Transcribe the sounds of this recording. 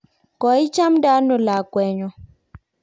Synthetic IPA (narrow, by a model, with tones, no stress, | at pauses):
kɔ˨˦i˦t͡ʃa˦mda˦no˨la˨kwɛ˨ɲɔ˨